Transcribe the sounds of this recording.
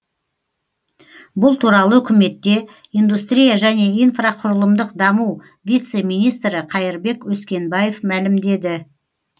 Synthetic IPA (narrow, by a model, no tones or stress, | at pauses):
bʊlˠt̪ʰuɾɑlˠəʏkʲɪme̞t̪ːe̞ijnd̪ust̪ɾʲijaʒæne̞ijnfraqʰʊɾəlˠəmd̪əqd̪ɑmuw | vʲijt̪se̞mijnijst̪ɾɪqʰɑjɪɾbe̞kwɵskʲe̞nbaje̞fmælɪmd̪e̞d̪ɪ